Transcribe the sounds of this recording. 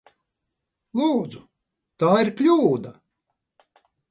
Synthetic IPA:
lˠuːd̪zu | t̪aːiɾklʲuːd̪a

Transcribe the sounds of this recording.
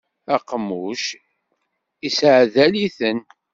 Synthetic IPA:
æqːmːuʃ | isʕðæliθən

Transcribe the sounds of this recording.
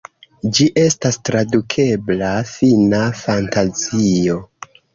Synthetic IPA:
d͡ʒiʔe̞stastɾadukʰe̞blafinafantazio̞

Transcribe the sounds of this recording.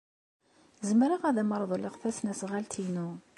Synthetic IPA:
zəmɾaʁæðæməɾˤðˤləʁθæsnæsʁalt̪inu

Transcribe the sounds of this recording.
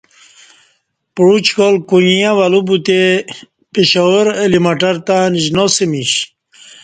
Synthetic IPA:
pɾut͡ɕkolkuɲijaʋalubut̪e | peɕaoɾelimaʈaɾt̪aniʑnosemiɕ

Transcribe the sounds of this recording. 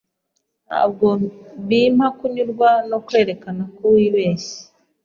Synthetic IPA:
nha̰ːb̚ɡoβimhakuɲuɾɡwano̞kwe̞ːɾe̞kanakuwiβeːsi̥

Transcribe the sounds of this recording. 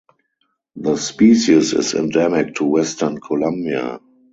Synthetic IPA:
ðəspiːʃisɪ̰sɛ̰̃ndɛmɪk̚tʰuwɛstə˞nkʰɔlãmbia̰

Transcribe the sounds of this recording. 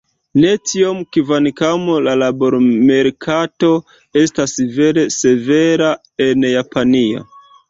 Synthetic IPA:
ne̞tiomkivanikamolalabo̞ɾmeɾkʰato̞ | e̞stasive̞ɾe̞se̞ve̞ɾa | enjapʰanio̰

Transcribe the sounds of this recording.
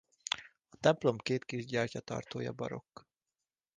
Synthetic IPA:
ɒt̪ɛmplo̞mkeːt̪kiʒɟɒrcɒt̪ɒ̰rt̪oːjɒ̰bɒ̰ɾo̞k

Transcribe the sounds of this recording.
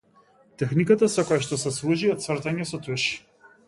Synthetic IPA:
t̪ɛxnikat̪asɔkɔjaʃt̪ɔsɛslˠuʒiɔt̪t̪svrt̪aɲɛsɔt̪uʃi̥

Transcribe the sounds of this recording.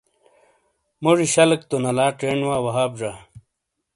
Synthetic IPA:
moʐiɕɐlɐk̚t̪onɐlaːʈeɳwaːwɐɦaːbʐa

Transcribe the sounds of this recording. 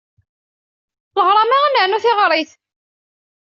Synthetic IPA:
ləʁɾˤɑmaʁanəʕnuθɪʁɾˤiθ

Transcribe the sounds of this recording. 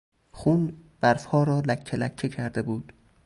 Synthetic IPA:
xuːnb̥æɾfhɒːɾɒːlækʰːelækʰːecʰæɾd̪ebuːd̪̥

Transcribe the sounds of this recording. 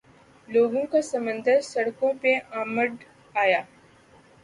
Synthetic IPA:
loːɡõkasɐ̃mə̃nd̪ʱəɾsɐɽkõpeʔaːməɖ | aːjaː

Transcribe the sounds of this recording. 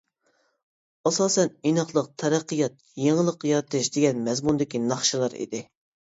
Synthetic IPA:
ɑsɑːsɛninɑχlˠəq̚t̪ʰɛɾæqːɨjɑt̪̚ | jeŋəlˠəqːjɑɾɨt̪ʰɨʃd̪eɡʲɛnmɛzmund̪ɪkʲinɑχʃilˠɑɾḭd̪ɪ

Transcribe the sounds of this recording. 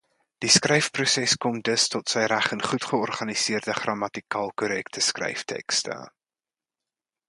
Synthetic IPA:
d̥iskrɛjfprusɛskɔmdəstɔtsɛjɾæχənχutχəɔrχɐnisiərdəχrɑmɐtikɑːlˠkoɾɛktəskrɛ̰jftʰɛ̰kstə̰

